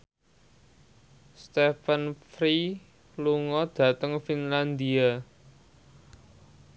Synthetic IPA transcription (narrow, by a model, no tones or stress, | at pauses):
st̪efənfɾi | luŋɔd̪̥ä̤t̪əŋfinland̪ia